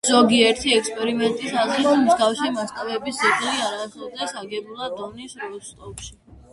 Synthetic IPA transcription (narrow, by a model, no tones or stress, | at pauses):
z̥ɔɡiɛɾt̪ʰiɛkspʼɛɾimɛnt̪ʼisazɾisʰmzɡafsɛmast̪ʼavɛbisziʁliaɾaːχɔd̪ɛsaɡɛbulˠad̪ɔnisɾɔst̪ʼɔpʼʃi